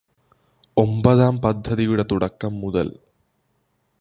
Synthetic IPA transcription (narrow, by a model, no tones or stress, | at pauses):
ombɐðaːmpɐd̪ʱːɐðijuɽɐt̪uɽɐkːɐmːuðɐ̰l